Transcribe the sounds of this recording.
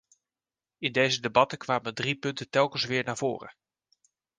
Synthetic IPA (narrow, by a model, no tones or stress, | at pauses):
ɪndejzədebɑtəkʋaːməndripɵntətɛlˠkənsʋɪːɹnaːv̥o̰ːrə̰